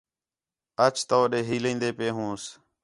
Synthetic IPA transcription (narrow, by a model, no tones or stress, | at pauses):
ət͡ʃt̪oːɗeːɦiːlĩːnd̪eːpeːɦũːs